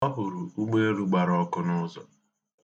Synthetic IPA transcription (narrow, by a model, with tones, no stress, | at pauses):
ɔ˦ɦʊ˨ɾu˨u˦ɡ͡be˦ɾu˦ɡ͡ba˨ɾɔ˦kʊ˦nʊ˦zɔ̰˨